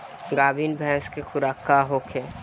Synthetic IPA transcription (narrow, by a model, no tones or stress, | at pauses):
ɡaːbʱiːnbʱɛ̃ːskexʊɾaːkaɦokʰe